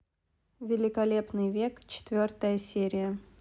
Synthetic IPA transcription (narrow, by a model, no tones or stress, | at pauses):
vʲɪlʲɪkɐlʲe̞pnɨjvʲe̞kt͡ɕɪ̥t̪vʲort̪əjəsʲeɾʲɪjə